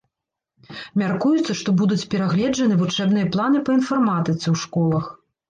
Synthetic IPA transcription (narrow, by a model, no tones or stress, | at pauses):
mʲarkujut̪sːɐʂt̪ɔbud̪ut͡sʲpʲɛɾaɣlʲɛd͡ʐɐnɨvut͡ʂɛbnɨjɐplˠanɨpɐinfɐrmat̪ɐt̪sʲɐwʂkɔlˠɐx